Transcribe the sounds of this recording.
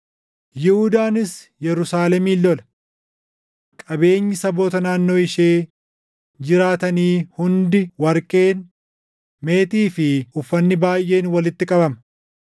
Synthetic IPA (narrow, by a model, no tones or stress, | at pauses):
jɪhʊd̪aːnɪs | jɛɾʊsaːlɛmiːlːɔlɐ | kʼɐbe̞ːɲːɪsɐboːt̪ɐnaːnːo̞ːɪʃeː | d͡ʒɪɾaːt̪ɐniːhʊnd̪ɪwɐɾkʼeːn | me̞ːt̪iːfɪʊfːɐnːɪbaːjʔe̞ːnwɐlɪt̪ːɪkʼɐbɐmɐ